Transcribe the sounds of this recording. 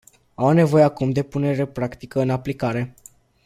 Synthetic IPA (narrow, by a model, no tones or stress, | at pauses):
awne̞vo̞jeakumd̪e̞pune̞ɾe̞pɾakt̪ikəɨnaplikaɾe̞